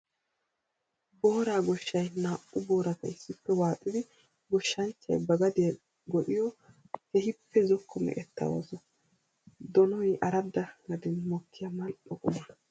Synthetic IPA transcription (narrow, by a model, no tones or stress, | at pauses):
boːɾaːɡɔʃːɐjnaːʔʊboːɾɐt̪ɐɪsːɪpːɛwaːt̪ʼɪd̪ɪ | ɡɔʃːɐnt͡ʃːɐ̰jbɐɡɐd̪ɪjɛ | ɡɔɗɪjɔ | hɛhɪpːɛzɔkʰːɔmɛ̰ʔɛt̪ːɐ̰wa̰sɔ | d̪ɔnɔjʔɐɾɐd̪ːɐɡɐd̪ɛnmɔkːɪjɐmɐlɗɔkʼɔmɐ